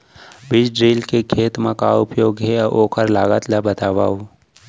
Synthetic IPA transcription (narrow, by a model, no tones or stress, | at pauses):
bɪd͡ʒɖɾiːlkekʰeːt̪mãkaʊpjoːɡɦeaʔoːkʰəɾlaːɡət̪labət̪aːʋa̰ːu